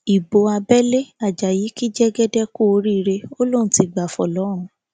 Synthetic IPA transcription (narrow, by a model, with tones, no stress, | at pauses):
i˨bo˧a˧bɛ˦le˦a˨d͡ʒa˨ji˨˦ki˦d͡ʒɛ˦ɡɛ˦dɛ˦ko˦˨˧ɾi˦˧ɾe˧o˦lo˦n̩˦ti˧˨ɡ͡ba˨fɔ̰˨lɔ˨˦ɾ̃ũ˧